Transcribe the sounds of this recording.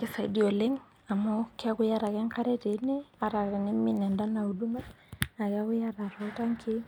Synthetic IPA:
kɪ˦sa˨i˦di˦o˨le˦ŋ | a˨mo˦kɪ˦a˦kʊ˦ja˦ɾa˨kɛ˦ŋka˦ɾe˦te˨˦ne˦a˨ɾa˨kɛ˨nɪ˦mɪ˦nɛ˨nda˦na˨u˨du˦ma˦na˨ka˦kʊ˦ja˦ɾa˨ɾɔ˨˦ta˦ŋkʰi˦

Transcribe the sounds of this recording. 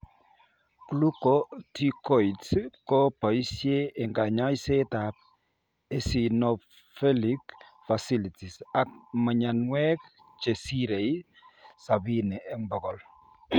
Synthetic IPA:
klu˦kɔti˦kɔitskɔpa˨i˦sje˦ɛ˨ŋɡa˨ɲa˦jsetap̚ | e˨si˨nɔ | fɛlikfasi˦liti˨sa˨k̚mə˨ɲa˨nwɛ˦k | t͡ʃe˨si˦ɾe˨j | sa˨binɛ˨ɛ˦ŋbɔ˨ɡɔ˨l

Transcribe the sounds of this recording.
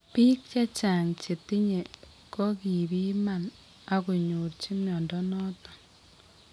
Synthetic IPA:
piː˦k̚t͡ʃa˦t͡ʃa˨ŋt͡ʃe˨ti˦ɲe˨ | kɔ˦ki˨bi˦ma˨n | a˨ku˨ɲu˨ɾt͡ʃi˦mjɔ˨ndɔ˦nɔ˦tɔ̥˦

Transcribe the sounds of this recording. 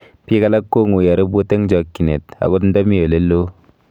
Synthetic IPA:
pi˦ka˦˨la˦kːo˦ŋu˨ja˨ɾɯ˦bo˦t̪e˦ŋd͡ʒɔ˨kːi˨ne˨t̪̚a̰˨ɡo˦n˦dɔ˦mi˦jo˨le˦lːo˦

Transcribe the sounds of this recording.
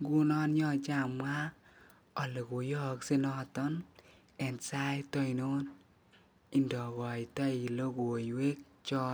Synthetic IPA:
ɡu˦nɔ˦nɲɔ˦˨t͡ʃa˨mwa˦ | ɔ˨le˨kʊ˨jɔ˦ksɪ˦nɔ˦tɔ˦n | ɛ˨nsa˦jtɔ˦i˨no˦n | ɪ˦ndɔ˨ɡɔ˨jtɔ˦i˨lo˦ɡo˨jwe˦k̚ | t͡ʃɔ˦

